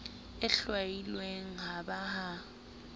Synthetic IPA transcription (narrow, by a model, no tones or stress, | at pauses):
ɪɬwailweŋ̩ɦabaha